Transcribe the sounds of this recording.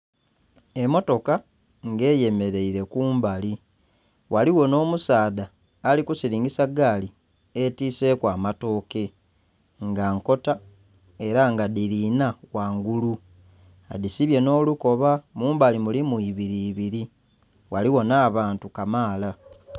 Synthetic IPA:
e̞mo̞to̞ka | ŋɡe̞ːje̞me̞ɾe̞iɾe̞kuːmbali | waliwo̞no̞ːmusaːdaː | likusiɾiːŋɡisaɡaːli | etiːse̞ːkwaːmato̞ːke̞ | ŋɡaŋko̞ta | e̞ɾaŋɡadiɾinawaːŋɡulu | aðisiβje̞no̞ːluko̞βamuːmbalimulimwuiβiɾiːβiɾi | waliwo̞naːβaːntukamaːla

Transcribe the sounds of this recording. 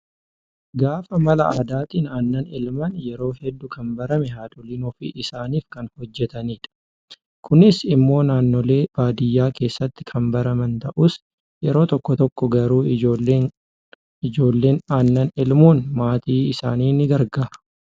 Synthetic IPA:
ɡaːfɐmɐlɐa̰ːd̪aːt̪iːnaːnːɐnɪlmɐnjɛɾo̞ːhɛd̪ːʊkʰɐnbɐɾɐmɛɦaːᶑ̪ʊlinɔfḭːʔɪsaːniːfkɐnhɔd͡ʒːɛt̪ɐniːᶑɐ̥ | kʰʊnɪsɪmːo̞ːnaːnːole̞ːb̥aːd̪ɪjːaːke̞ːsːɐt̪ːɪ̥kʰɐmbɐɾɐmɐnt̪ɐʔʊs | jɛɾo̞ːt̪ɔkːɔt̪ɔkːɔɡɐɾuːoːleː | ɪd͡ʒo̞ːlːe̞ːnaːnːɐnɪlmuːnmaːt̪iːɪsa̰ːniːnɪɡɐɾɡaːɾɐ̥

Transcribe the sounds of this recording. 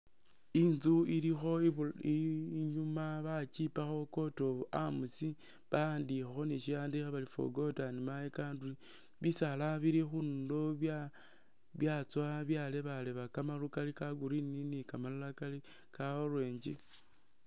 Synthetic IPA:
inzuilixo̞iɲumaβat͡ʃipaxo̞ko̞to̞βʔamusi | βaaːndixexo̞niʃijaːndixeβalifo̰ɡo̞tanimaekandui | βisalaβiɾixundo | βjat͡swaβjale̞βaleβakamalukalikaɡuɾininikamalalakali | kaorweːɲd͡ʒi

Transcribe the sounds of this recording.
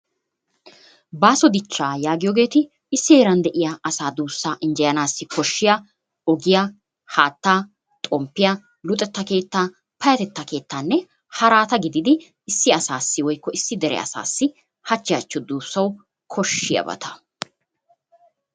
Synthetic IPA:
baːsɔd̪ɪt͡ʃːaːjaːɡɪjoːɡe̞ːt̪ɪ | ɪsːɪe̞ːɾɐnd̪ɛʔɪjaɐsaːd̪uːsːaːʔɪnd͡ʒɛjɐnaːsːɪkʰɔʃːɪja | ɔɡɪjaː | haːt̪ːaː | t̪ʼɔmpːɪjɐ | lʊt̪ʼːɛt̪ːɐke̞ːt̪ːaː | pɐjɐt̪ɛt̪ːɐke̞ːt̪ːaːnːɛ | hɐɾaːt̪ɐɡɪd̪ɪd̪ɪ | ɪsːɪɐsaːsːɪwɔjkːɔɪsːɪd̪ɛɾɛ̰ɐ̰sa̰ːsːɪ | hɐt͡ʃːɪjat͡ʃːɔd̪uːsːɐw | kʰɔʃːɪjɐ̰bɐ̰t̪ʰɐ̥

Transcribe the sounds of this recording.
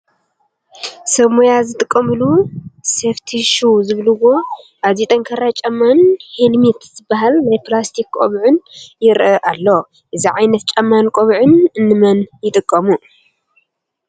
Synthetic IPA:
sɐmojazɨt̪ʼɨkʼːɐmɨluseft̪ʰiʃuzɨβlɨwo | ʔaβzit̪ʼɐŋkʰɐɾat͡ʃʼɐmːanhelmit̪z̥ɨbːaɦalnajplast̪ʰikkʼo̰βʕɨnjɪɾʔɐʔalːo | ʔɨziʕajnɐt̪̚t͡ʃʼɐmːankʼoβʕɨnɨnːɨmɐnjɪt̪ʼɨkʼːɐmu

